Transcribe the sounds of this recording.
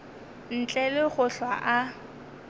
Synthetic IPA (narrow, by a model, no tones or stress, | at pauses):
n̩t͡ɬʼɛlɪχʊɬwaʔa